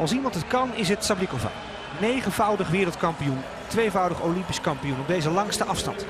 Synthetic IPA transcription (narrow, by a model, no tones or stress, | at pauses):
ɑlˠsimɑntətkɑnɪs̬ɦətsablikova̰ | nejχənvʌwdəχʋɪːɾlˠtkɑmpijun | tʋejvʌwdəχowlɪmpi̥skɑmpijunɔb̚dejzəlɑŋstəʔɑfstɑ̰nt